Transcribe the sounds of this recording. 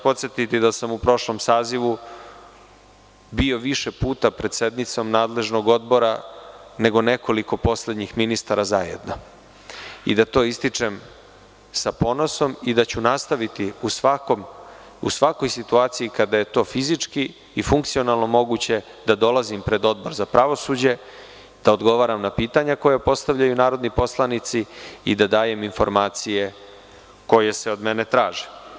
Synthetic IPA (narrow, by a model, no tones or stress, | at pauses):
po̞t̪set̪it̪id̪asamupɾo̞ʃlo̞msaːziʋu | bio̞ʋiʃepuːt̪apɾe̞d̪̥se̞d̪nit̪so̞mnaːd̪le̞ʒno̞ɡo̞d̪bo̞ɾane̞ɡo̞ne̞kʰo̞liko̞po̞sle̞d̪ɲixminist̪aɾazajḛd̪no̞ | ḭd̪at̪o̞ːist̪it͡ʂem | sapo̞no̞so̞mid̪at͡ɕunast̪aʋit̪iusakm | ṵsʋako̞jsit̪uaːt̪sijikad̪aje̞t̪o̞ːfizit͡ʂki | ifuŋkt̪sio̞nalˠno̞mo̞ɡut͡ɕe̞ | d̪ad̪o̞lˠazimpɾe̞d̪o̞d̪̚bo̞ɾzapɾaʋo̞suːd͡ʑe̞ | d̪̥aod̪ɡo̞ʋaːɾamnapiːt̪aɲako̞japo̞st̪avʎajunaːɾo̞d̪nipo̞slˠanit̪siid̪ad̪aːje̞minfo̞̰ɾmaːt̪sije̞ | ko̞je̞seo̞d̪menet̪ɾaːʒi̥